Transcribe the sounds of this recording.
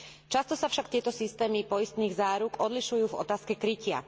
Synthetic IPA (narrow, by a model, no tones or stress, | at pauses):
t͡ʃast̪ɔsafʃakt̪ɪɛt̪ɔsist̪ɛːmipɔjist̪niːɣzaːɾukɔd̪liʃujuːvɔ̰t̪aːskɛkɾicɪa̰